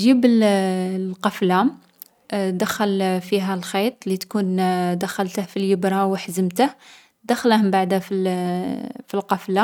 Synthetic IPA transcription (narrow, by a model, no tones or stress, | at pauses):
ʒibəl | qɑflam | d̪æxəlfiɦælxit̪ˤlit̪kund̪æxəlt̪əhfiljəbɾˤɑwəħzəmt̪əh | d̪æxləhmbaʕd̪æfi | filqɑfla